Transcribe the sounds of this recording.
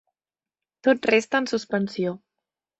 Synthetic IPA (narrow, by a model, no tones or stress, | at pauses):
t̪ot̪̚rest̪əːnsuspənsijo